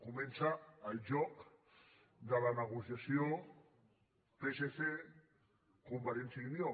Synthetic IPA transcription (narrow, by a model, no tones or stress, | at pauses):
kumẽnsaːlʒɔk | d̪əlanəɣusjasjo | pesese | kumbaɾensainio